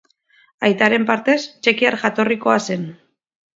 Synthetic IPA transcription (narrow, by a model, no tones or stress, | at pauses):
ajt̪aɾe̞mpaɾt̪e̞st͡ʃe̞kiaɾʝat̪o̞riko̞ase̞n